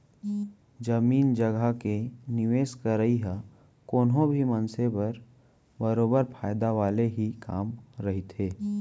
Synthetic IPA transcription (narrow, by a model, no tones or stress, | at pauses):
d͡ʒɐmiːnd͡ʒəɡʱakenɪʋeːskəɾəiɦa | koːnɦõbʱimɐnsepɐɾ | bəɾoːbəɾpʰaːjd̪aʋaːleɦika̰ːmɾɐɦit̪ɦeː